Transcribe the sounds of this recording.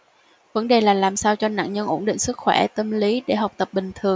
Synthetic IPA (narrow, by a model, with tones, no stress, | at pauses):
və˨˦nɗe˨˩laː˨˩laː˨˩msaː˧wt͡ɕɔ˧na̰ː˧˨nɲə˧nʔo˧˩nɗḭ˧˨ŋsɨ˦˥k̚xwɛ˧˩t̪ə˧mli˨˦ɗe˧˩ɦa˨˩wk͡p̚t̪ə˨˩p̚ɓï˨˩ŋ̟t̪ʰɨ˨˩əŋ